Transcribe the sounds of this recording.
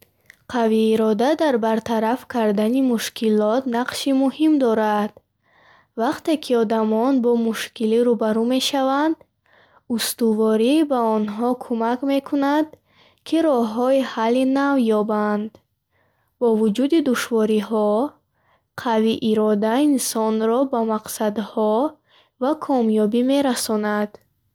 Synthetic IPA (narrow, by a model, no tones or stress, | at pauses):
qʰaviːɾɔd̪ad̪aɾbaɾt̪ʰaɾafkʰaɾd̪animuʃkʰilɔt̪naqʃimuhimd̪ɔɾad̪̥ | vaqt̪e̞kʰiɔd̪amɔnbɔmuʃkiliɾubaɾume̞ʃavand̪ | ust̪uvɔɾibaɔnɦɔkʰumakme̞kʰunad̪ | kʰiɾɔɦɔihalːinavjɔband̪ | bɔvud͡ʒud̪id̪uʃvɔɾiɦɔ | qʰaviʔiɾɔd̪ainsɔnɾɔbamaqsad̪hɔ | vakʰɔmjɔbime̞ɾasɔnad̪̥